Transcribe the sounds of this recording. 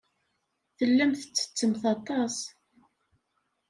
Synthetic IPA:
θəlːəmθə̥t͡sːə̥t͡sːəmθɑt̪ˤɑs

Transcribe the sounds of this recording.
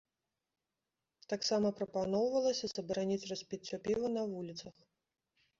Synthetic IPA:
t̪aksamɐpɾɐpanɔwvɐlˠɐsʲɐz̥ɐbɾanʲit͡sʲrɐsʲpʲit͡sʲːɔpʲivɐnɐvulʲit̪sɐx

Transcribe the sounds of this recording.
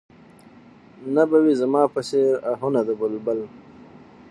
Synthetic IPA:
nabawizamɑːpəseɾaɦunad̪əbəlbəl

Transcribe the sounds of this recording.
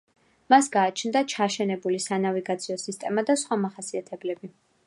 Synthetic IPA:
masɡaːt͡ʃʰnd̪at͡ʃʰaʃɛnɛbulisanaviɡat̪sʰiɔsist̪ʼɛmad̪asχwamaχasiat̪ʰɛblɛbi

